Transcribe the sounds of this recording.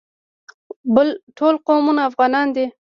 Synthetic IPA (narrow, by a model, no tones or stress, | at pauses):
bəlʈʰolqomunaaːfɣɑnɑnd̪e